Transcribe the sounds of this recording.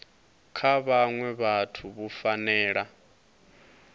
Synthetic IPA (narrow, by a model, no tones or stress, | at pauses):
kʰaβaŋwɛβatʰuβufanɛːɺa